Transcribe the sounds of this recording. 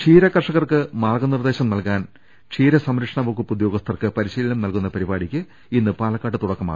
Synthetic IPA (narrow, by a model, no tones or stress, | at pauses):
ʂʰiːɾɐkːɐrʂɐɣɐrkɨmaːrɡɐnird̪e̞ːɕɐmnɐlkaːn | ʂʰiːɾɐsɐmɾɐkʂɐɳɐbokːupːud̪joːɡɐst̪ʰɐrkɨpɐɾiɕiːlilɐmnɐlkunːɐpɐɾibaːɽikʲːɨ | inːɨpaːlɐkːaːʈːɨt̪uɽɐkːɐma̰ː